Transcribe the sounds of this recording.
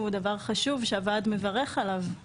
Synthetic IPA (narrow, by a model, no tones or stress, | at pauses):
ud̪avaʁχaʃuvʃeavad̪me̞vaʁeχalav